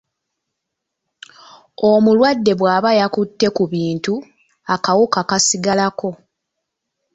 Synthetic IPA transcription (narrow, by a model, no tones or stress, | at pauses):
omulwadːe̞βwaːβajakutːe̞kuβiːntu | akawukakasiɡalako̞